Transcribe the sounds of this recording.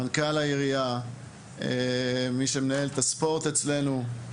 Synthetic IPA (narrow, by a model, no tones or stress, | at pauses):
ankalajiʁia | emiʃemenaelt̪aspo̞ʁt̪e̞t͡sle̞nu